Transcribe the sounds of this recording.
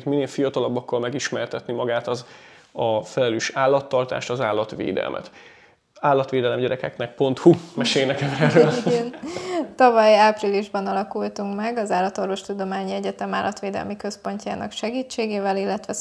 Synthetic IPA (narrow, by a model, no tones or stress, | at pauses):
t̪mineːlfijɒt̪ɒlɒbːɒkːɒlmɛɡiʃmɛrt̪ɛt̪nimɒɡaːt̪ɒz | ɒfɛlɛløːʃaːlːɒt̪ːɒrt̪a̰ːʃt̪ɒzaːlːɒt̪ʋḛːd̪ɛ̰lmʔɛ̰t̪ | aːlːɒt̪ʋeːd̪ɛlɛmɟɛɾɛkɛknɛk̚po̞nt̪humɛʃeːjnɛkɛmɛrːøːlɡɛnt̪ɒvɒjaːpriliʒbɒnɒlɒkult̪uŋkmɛɡɒzaːlːɒt̪o̞rvo̞ʃt̪ud̪o̞maːɲiɛɟɛt̪ɛmaːlʔɒt̪ʋeːd̪ɛ̰lmikø̞spo̞ɲca̰ːnɒ̰kʃɛɡiːt͡ʃːeːɡeːvɛlilːɛt̪ʋɛ